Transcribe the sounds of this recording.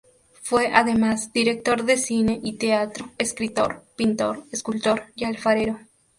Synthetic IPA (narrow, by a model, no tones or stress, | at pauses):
fwe̞ʔaðe̞mazd̪iɾek̚t̪o̞ɾðe̞sine̞ʔit̪eat̪ɾoeskɾit̪o̞̰ɾpint̪o̞̰ɾeskult̪o̞ɾjalfaɾeɾo